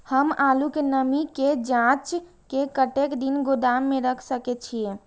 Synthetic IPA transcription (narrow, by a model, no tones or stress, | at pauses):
həmalukenəmiked͡ʒãt͡ʃ | kekəʈekd̪inɡod̪amːeɾəkʰsəkɛt͡ʃʰije